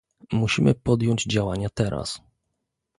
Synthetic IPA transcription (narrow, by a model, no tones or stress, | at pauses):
muɕimɘpɔd̪jɔɲd͡ʑd͡ʑawaɲat̪ɛɾʔa̰s